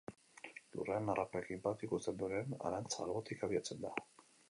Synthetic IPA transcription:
lṵreanarʔapekimpat̪ikusend̪oɾeena̰ɾant͡salβot̪ikaβiat͡send̪a

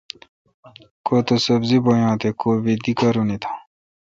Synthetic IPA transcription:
koːt̪osəbziboːjãːt̪ekoːʋid̪ikaɾunit̪ʰḁː

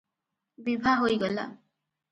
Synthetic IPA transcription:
bibʱaɦojɡɔla̰

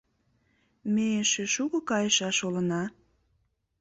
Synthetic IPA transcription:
meeʃeʃuɣŏkɑjəʃɑʃolə̆nɑ

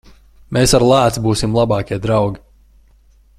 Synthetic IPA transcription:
meːsaɾlˠaːt̪sbuːsimlˠabɑːkʲiɛd̪ɾawɡʲi

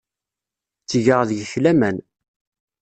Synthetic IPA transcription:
t͡sːʝəʁðəʝəçlæmæn

